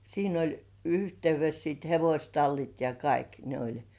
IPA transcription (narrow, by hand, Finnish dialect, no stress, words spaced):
siːn olʲ yhteyʋes siːt heʋosʲtɑlːit jɑ kɑik ne olʲ